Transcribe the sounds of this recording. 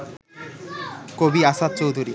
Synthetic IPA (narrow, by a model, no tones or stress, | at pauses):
kobiasad̪̚t͡ɕowd̪ʱuɾi